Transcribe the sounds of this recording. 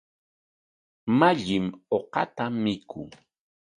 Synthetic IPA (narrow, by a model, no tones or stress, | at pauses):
maʎɪmoqɑ̰t̪amːɪkʰʊ